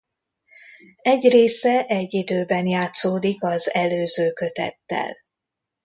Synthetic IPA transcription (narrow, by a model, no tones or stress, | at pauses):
ɛɟreːsɛʔɛɟːid̪øːbɛnjaːt̪soːd̪ikɒzɛløːzøːkøt̪ɛ̰t̪ːɛ̰l